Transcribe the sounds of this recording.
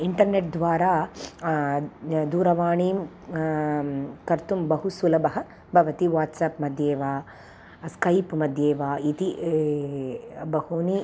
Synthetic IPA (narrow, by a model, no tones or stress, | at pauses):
iɳʈɐɾneʈ̚d̪ʋaːɾaː | d̪uːɾɐʋaːɳiːm | kɐɾt̪umbɐɦusulɐbɐɦɐ | bʱɐʋɐt̪iʋaːʈsaːpmɐd̪ʱjeːʋaː | skɐjpmɐd̪ʱjeːʋaːit̪i | bɐɦuni